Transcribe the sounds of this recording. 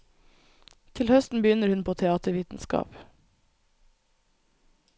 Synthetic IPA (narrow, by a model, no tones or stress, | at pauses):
t̪ʰɪlhœst̪n̩bəjʏnəɾhʉnpʰoːt̪ʰɛɑːt̪əʋiːt̪n̩skɑ̰ːp